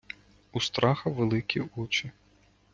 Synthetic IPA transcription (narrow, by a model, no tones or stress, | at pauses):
ust̪ɾɑxɐʋelˠɪkʲiut͡ʃi